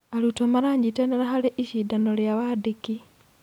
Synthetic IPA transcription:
alutomaɾaːɲɟiteneɾaxaleʔiʃidanoljaβadiki

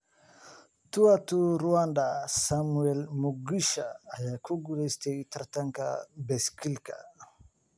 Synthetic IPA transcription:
tuatuɾuandasamuɛlmuɡiʃaːjakuɡulest̪eit̪aɾtaŋka̰bɛskilka̰

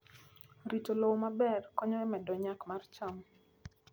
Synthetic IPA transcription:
ɾitolowmabɛrkɔɲɔɛmɛdɔɲakmart͡ʃɔm

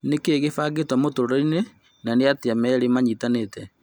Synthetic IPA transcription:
nekeɣefaːɡetwamotoɾɔine | naneateamɛɾemaɲitanetɛ

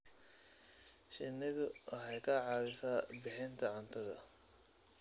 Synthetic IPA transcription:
ʃɪnɪðʊwɑħɑjkʰɐʕɑːwɪsaːbɪħɪnt̪ʰɐʕʊnt̪ʰɐðɐ̰

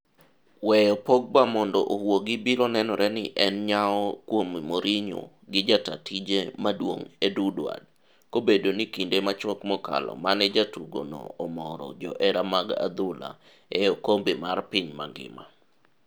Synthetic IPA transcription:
wɛjɔpoɡ̚bamɔndɔʔohwoɡibiɾɔnɛnɔɾɛnɪʔɛnɲaɔkwommoɾiɲo̰ | ɡɪd͡ʒatatid͡ʒemadwo̰ŋedudwa̰d̚ | kobedonikindemat͡ʃɔkmɔka̰lɔ̰manɛd͡ʒatuɡo̰nɔ̰ːmɔɾɔ̰d͡ʒɔʔɛɾamaɡa̰d̪ʊla̰ | ɛjokombimarpiɲma̰ŋɡɪ̰ma̰

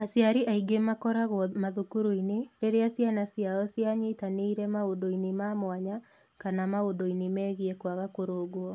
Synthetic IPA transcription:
asjaɾiʔaiɡemakɔɾaɣɔmaðukuɾoineɾeɾeasjanasjaɔsjaɲetaneiɾɛmaodoinemamoaɲa | kanamaodoinemɛɣiɛkwaɣakoɾoːɣwɔ

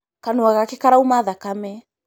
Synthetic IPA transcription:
kanuaɣakɛkaɾaumaðakamɛ

